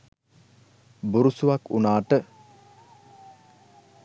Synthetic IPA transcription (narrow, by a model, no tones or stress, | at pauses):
buɾusuʋakunaːʈə